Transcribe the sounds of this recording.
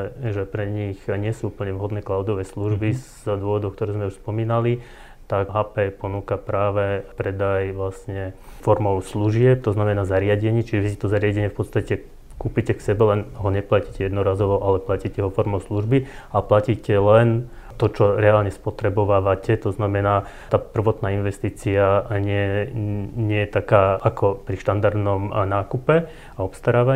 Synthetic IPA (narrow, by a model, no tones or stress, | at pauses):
ɛʒɛpɾɛɲixɲɪɛsuːupl̩ɲɛʋɦɔd̪nɛːklaʊd̪ɔʋɛːsluʒbiz | d̪ʊɔʋɔd̪ɔʊkt̪ɔɾɛːzmɛuʃspɔmiːnali | t̪akɦaːpɛpɔnuːkapɾaːʋɛpɾɛd̪ajʋlasɲɛfɔɾmɔʊsluʒɪɛp̚t̪ɔznamɛnaːzaɾɪaɟɛɲɪit͡ʃiʒɛʋisit̪ɔzaɾɪaɟɛɲɪɛfpɔt̪st̪acɛ | kuːpicɛksɛbɛlɛnɦɔɲɛplaciːcɛjɛd̪nɔɾaːzɔʋɔʔalɛplaciːcɛɦɔfɔɾmɔʊsluʒbiaplaciːcɛlɛn | t̪ɔt͡ʃɔɾɛalɲɛspɔt̪ɾɛbɔʋaːʋacɛt̪ɔznamɛnaː | t̪aːpr̩ʋɔt̪naːinʋɛst̪iːt͡siaɲɪɛ | ɲɪɛjɛt̪akaːʔakʰɔpɾiʃt̪and̪aɾd̪nɔmnaːkupɛ | aɔpst̪aɾaːʋa